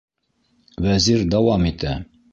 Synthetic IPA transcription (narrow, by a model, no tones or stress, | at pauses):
wæziɾd̪ɑwɑmit̪æ